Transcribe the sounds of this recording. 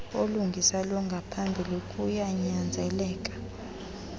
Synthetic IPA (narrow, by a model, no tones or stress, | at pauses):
oluŋɡʱisalɔŋɡʱapʰambʱilokʼujaɲand͡zʱɛlɛːkʼḁ